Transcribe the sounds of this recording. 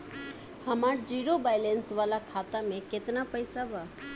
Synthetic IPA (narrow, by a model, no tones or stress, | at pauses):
pʰəmaːɾd͡ʒiːɾobajlensʋaːlakʰaːt̪amẽket̪napəjsabaː